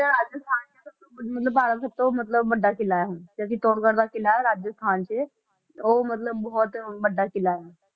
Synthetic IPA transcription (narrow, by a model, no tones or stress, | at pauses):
t̪aɾad͡ʑjəst̪ʰant͡ɕet̪ | mət̪̬ləbpaɾəsəp̚t̪omət̪ləbbəɖːakilajaɦũk̪jakit̪oɽkəɾd̪akilajɾad͡ʑjəst̪ʰant͡ɕe | omət̪ləbːbɔɦɔt̪bəɖːakilajaɦ